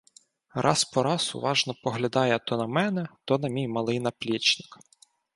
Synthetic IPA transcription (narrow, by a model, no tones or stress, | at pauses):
ɾʔɑ̰spɔɾɑsʊ̰ʋɑʒnɔpɔɦlʲɐd̪ɑjɛt̪ɔnɐmɛnɛt̪ɔnɐmʲijmɐlˠɪjnɐplʲit͡ʃnɪ̥k